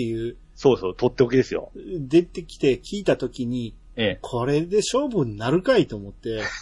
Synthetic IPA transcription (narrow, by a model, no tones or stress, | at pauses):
ejɯ̟ː | so̞ːsoːt̪o̞t̪ːeokʲid̪e̞sɨjo̰d̪e̞t̪e̞kʲi̥t̪e̞kʲiːt̪at̪o̞kʲiɲ̟i | ekʰo̞ɾe̞d̪e̞ɕo̞ːbɯ̟̃nːaɾɯ̟kait̪o̞ːmot̪ːe̞